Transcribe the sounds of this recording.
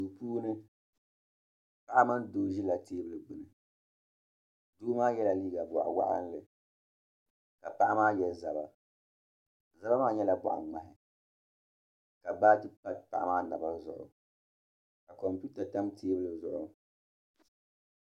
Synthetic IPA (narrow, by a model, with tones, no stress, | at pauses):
su˨puː˦nɨ˦ | pa˦ʔa˦ma˦ndoː˨˦ʒi˦la˨teː˦bɨ˦lɨ˨bʊ˨nɨ˨ | duː˦maː˦jɛ˦la˨liː˦ɡa˨bʊ˨ʔa̰˨wa̰˦ʔa̰˦nlɨ˨ | ka˨pa˦ʔa˦maː˦jɛ˨za˨ba˦ | za˦ba˦maː˦ɲɛ˦la˨bʊ̰˨ʔa̰˨ŋ͡ma˨ɦɪ˨ | ka˨baː˦tɨ˦pa˦t̚pa̰˨ʔa˦maː˦na˨ba˦zʊ̰˨ʔʊ̰˨ | ka˨kɔ˨mpu˦ta˨ta˦mtʰeː˦bɨ˦lɨ˨zʊ˦ʔʊ˦